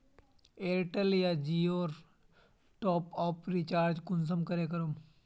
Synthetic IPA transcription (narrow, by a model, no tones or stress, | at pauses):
eːɾʈəljad͡ʒioːɾ | ʈɔːpɔːpɾit͡ʃaːɾd͡ʒkʊns̬əmkɐɾeːk̬ɐɾum